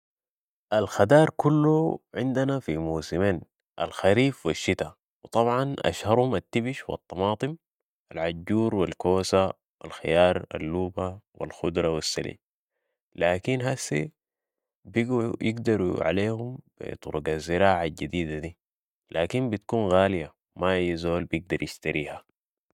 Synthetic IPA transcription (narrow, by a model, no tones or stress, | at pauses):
ʔalxad̪ɑːɾˤkulːuʕɪnd̪anafimuːsimeːn | ʔa̰lxaɾiːfwiʃːit̪a | wɨt̪ˤɑbʕɑnʔa̰ʃhɑɾˤhumat̪ːibiʃwɑ̰t̪ˤːɑmɑːt̪ˤɨm | ʔalʕad͡ʒːuːɾwilkoːsa | wa̰lxḭjɑːɾˤa̰lːuːbawḭlxud̪ɾˤɑwisːalḭː | laːkinɦasḭ | bijiɡd̪ɑɾˤuʕa̰leːhumb̥ḭt̪ˤuɾuɡazːɪɾaːʕaɟad̪iːd̪ad̪i | lʔaːkimbit̪̚kuːnɣaːlija | maʔajːazoːlbijiɡ̚d̪ɑɾjiʃt̪aɾʔiːha